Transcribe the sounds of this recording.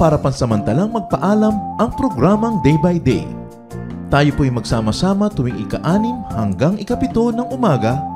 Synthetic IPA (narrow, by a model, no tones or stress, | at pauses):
paːɾɐpɐnsɐmɐnt̪ɐlaŋmɐɡ̚pɐʔaːlɐmʔɐŋpɾo̞ɡɾaːmɐŋd̪ɛjbɐjd̪ɛ̰j | t̪aːjopoʔɐjmɐɡsaːmɐsaːmɐt̪ʊwɪŋɪ̰kɐ̰ʔaːnɪmhɐŋɡaŋʔɪkɐpɪt̪o̞nɐŋʊmaːɡɐ